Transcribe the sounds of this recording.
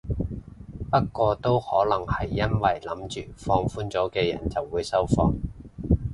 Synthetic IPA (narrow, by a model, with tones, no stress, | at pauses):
pɐ˥t̚kːɔː˧t̪o˥whɔː˨˥lɐ˨˩ŋhɐ˨jːɐ˥nwɐ˨˩jlɐ˨˥mt͡ʃyː˨fɔː˧ŋfuː˥nt͡sɔː˨˥kɛː˧jɐ̰˨˩nt͡sɐ˨˩wːuː˨˧jsɐ˥wfɔ̰ː˧ŋ